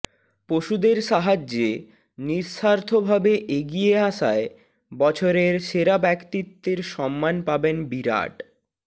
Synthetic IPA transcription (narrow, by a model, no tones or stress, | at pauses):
poʃud̪eɾʃaɦad͡ʑe | niɾʃaɾt̪ʰobʱabeʔeɡijeaʃae | bɔt͡ɕʰoɾeɾʃeɾabɛkt̪it̪ːeɾʃɔmːanpabenbiɾa̰ʈ